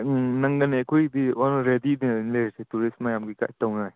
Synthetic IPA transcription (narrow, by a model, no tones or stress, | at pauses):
nɐŋɡɐnekʰujdiɔnɾedidinleɾsetuɾismajamɡika̰jtɔwnaj